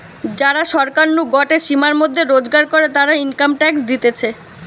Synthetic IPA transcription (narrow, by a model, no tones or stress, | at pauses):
d͡ʑaɾaʃɔɾkaɾnuɡɔʈeɾʃimaɾmod̪ʱːeɾod͡ʑɡaɾkoɾet̪aɾainkamʈɛksd̪it̪et͡ɕʰe